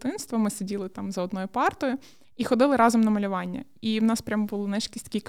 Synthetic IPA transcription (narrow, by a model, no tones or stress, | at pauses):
t̪ɪnst̪ʋɐmɪsedʲilˠɪt̪ɑmzɐɔd̪nɔjʊpɑrt̪ɔjʊ | ixɔd̪ɪlˠɪɾɑzɔmnɐmɐlʲʊʋɑnʲːɐ̰iwnɑspɾʲamɐbʊlˠʊnɛʃkʲisʲt̪ɐkʲijk